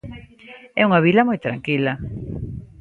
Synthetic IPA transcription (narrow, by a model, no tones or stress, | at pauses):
ɛuŋɐβilɐmojt̪ɾa̰ŋkilɐ